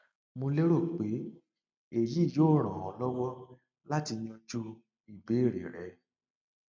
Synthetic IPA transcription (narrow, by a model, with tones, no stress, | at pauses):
mo˧le˦ɾo˦˨k͡pe˨˦ | e˨ji˦i˦˨joː˦˨ɾ̃ã˨ɔ̃˨lɔ˦wɔ˦ | la˦ti˧ɲ̃ɔ̃˧d͡ʒu˧ | i˨be˨˦˨ɾḛ˨ɾɛ˨˦